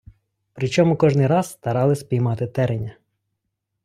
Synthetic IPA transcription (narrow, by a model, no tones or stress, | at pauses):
pɾɪt͡ʃɔmʊkɔʒnɪjɾɑzst̪ɐɾɑlˠɪsʲpʲijmɑt̪ɪt̪ɛɾenʲɐ